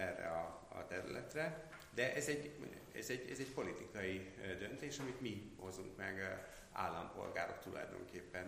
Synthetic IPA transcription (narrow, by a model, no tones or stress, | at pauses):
ɛrːɛ̰ɒɒ̰t̪ɛɾylɛt̪rɛ | d̪ɛʔɛzɛɟo̰ɲ | ɛ̰zɛɟɛzɛcpo̞lit̪ikɒjid̪ønt̪eːʃɒmit̪miho̞zuŋkmɛɡ | a̰ːlːɒmpo̞̰lɡaːɾo̞̰kt̪ulʔɒ̰jd̪o̞̰ŋkeːpːɛn